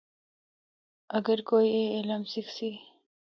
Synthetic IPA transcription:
ɐɡəɾkoːjeelamsixsi

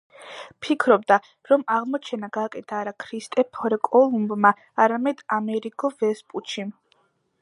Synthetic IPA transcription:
pʰikʰɾɔbd̪a | ɾɔmaʁmɔt͡ʃʰɛnaɡaːkʼɛt̪ʰaːɾakʰɾist̪ʼɛpʰɔɾɛkʼɔlˠumbma | aɾamɛd̪̥amɛɾikʼɔvɛspʼut͡ʃʰi

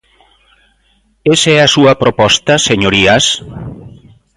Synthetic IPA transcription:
esɛasuɐpɾopɔst̪aseɲoɾias

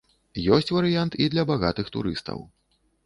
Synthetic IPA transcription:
jɔsʲt͡sʲvɐɾɨjant̪id̪lʲɐbaɣa̰t̪ɨxt̪ṵɾɨ̰st̪ɐ̰w

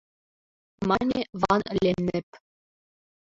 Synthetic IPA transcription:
mɑnʲeβɑnlʲenːɘ̆p

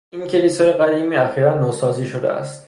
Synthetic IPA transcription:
incʰe̞liːsɒːje̞ɣæd̪iːmiːæxiːɾænːosɒːziːʃod̪ḛʔæ̰st̪

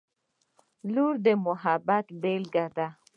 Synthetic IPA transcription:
luɾd̪əmʊɦabat̪belɡad̪a

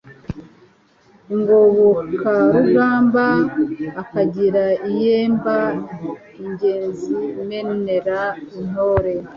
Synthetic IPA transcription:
uŋɡoβokʰaɾuʒaːmbaː | kaɟiɾaijeːmba | iɲɟe̞ːnziume̞ne̞ɾain̥o̞ːɾe̞

